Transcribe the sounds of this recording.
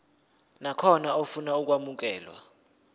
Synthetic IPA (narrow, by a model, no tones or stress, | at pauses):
nakʰɔnaofunauk̬wamuk̬ɛːlwa̰